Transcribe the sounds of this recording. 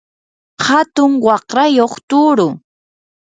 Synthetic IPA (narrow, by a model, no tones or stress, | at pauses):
hat̪ʊŋwɑχɾajoχt̪ʊɾʊ